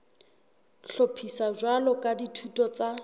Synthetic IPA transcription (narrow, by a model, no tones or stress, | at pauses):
ɬopʰisad͡ʒwalɔkʼaditʰutʼɔt͡sa